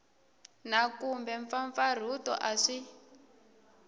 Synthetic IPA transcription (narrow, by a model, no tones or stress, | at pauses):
nakumbɛɱfaɱfar̤utɔ̰ʔaʂi